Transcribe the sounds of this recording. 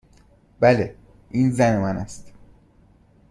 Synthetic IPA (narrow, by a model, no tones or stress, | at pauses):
b̥æle | ʔiːnzæne̞mænæst̪